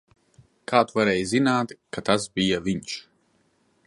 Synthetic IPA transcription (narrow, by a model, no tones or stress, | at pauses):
kʰaːt̪uvaɾɛːjzinaːt̪kat̪asbijavʲiɲʃ